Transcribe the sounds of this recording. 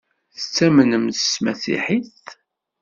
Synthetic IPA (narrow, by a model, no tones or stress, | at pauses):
θət͡sːæmənəmssmæsḭħiθ